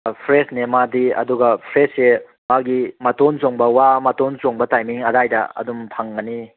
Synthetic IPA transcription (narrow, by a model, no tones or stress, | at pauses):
pʰɾesnemadiɐ̰duɡɐpʰɾese | maɡimɐtont͡ʃoŋbɐwamɐtont͡ʃoŋbɐtajmiŋɐdajdɐ̰ɐ̰dumpʰaŋɡɐni